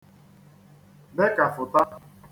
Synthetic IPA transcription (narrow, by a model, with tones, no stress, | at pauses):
be˦ka˨fʊ˨ta˦